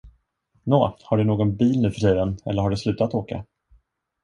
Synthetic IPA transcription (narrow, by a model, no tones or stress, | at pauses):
noːhaɖɵnoːɡɔnbiːlnʉ̟ːfœʂɛjənɛ̰lːəɾhaɖɵslʉ̟ːt̪at̪oːka̰